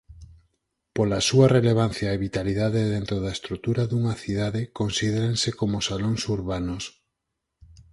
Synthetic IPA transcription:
polasuɐreleβ̞an̟θjaeβit̪aliðaðeðent̪ɾoðaest̪ɾut̪uɾaðuŋɐθiðaðɪkonsiðeɾensekomosaloŋsuɾβanos

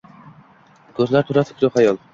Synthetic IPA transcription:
kʲʰɵzlaɾt̪ʰuɾat̪ʰɪ̥kʰʲɾoχajɒlˠ

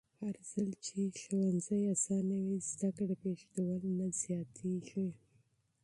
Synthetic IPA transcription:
haɾz̥alt͡ʃeʃuwanzajasɑnawizd̪akəpeʂd̪əwəlnaz̥jɑt̪ʰiʒ

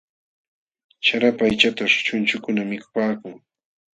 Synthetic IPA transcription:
t͡ʃaɾapajt͡ʃat̪aʃt͡ʃʊnt͡ʃʊkʊnamɪkʊ̥paːkʊŋ

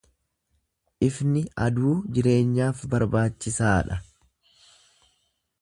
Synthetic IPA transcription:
ʔɪfnɪɐd̪uːd͡ʒɪɾe̞ːɲːaːfbɐɾbaːt͡ʃːɪsaːᶑɐ

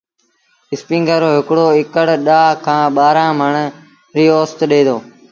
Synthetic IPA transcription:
ɪspĩːŋɡəɾoːɦɪkɽoːɪkəɽɗaːkʰãːɓaːɾãːməɳ | ɾiːoːst̪ɗeːd̪oː

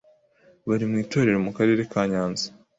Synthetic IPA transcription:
βaɾimŋiːto̞ːɾe̞ɾomukaɾe̞ːɾe̞kaːɲaːnzi̥

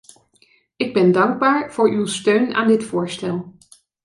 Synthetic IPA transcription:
ɪɡ̚bɛndɑŋɡ̚baːɹv̥ʊːɹʔywstøɥna̰ːndɪtfʊːɹstɛlˠ

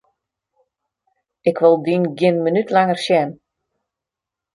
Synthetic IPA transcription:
ɪkʋolˠdinɡɪnmənytʰlaŋərsjɛn

